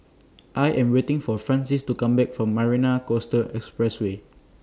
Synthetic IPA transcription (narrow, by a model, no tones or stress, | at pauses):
ʔajʔɛ̃mwetɪ̃ŋfɔfɹãnsistukãmbɛk̚fɹɔ̃mːaɹinakostəlʔɛkspɹɛswe